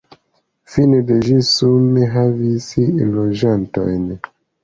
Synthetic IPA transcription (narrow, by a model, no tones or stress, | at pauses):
fineded͡ʒisumeɦavisilod͡ʒanto̰jn